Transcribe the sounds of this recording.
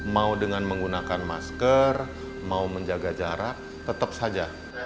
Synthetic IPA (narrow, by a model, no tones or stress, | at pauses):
maudəŋanməŋɡunakanma̰skər | mauməɲd͡ʒaɡad͡ʒaɾa | t̪ət̪əp̚sad͡ʒa